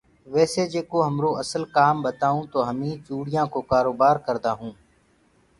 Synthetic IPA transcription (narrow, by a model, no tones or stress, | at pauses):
ʋɛːseːd͡ʒeːkoːɦəmɾoːəsəlkaːmbət̪aːũːt̪oːɦəmĩːt͡ʃuːɽɪjãːkoːkaːɾoːbaːɾkəɾd̪aːɦũː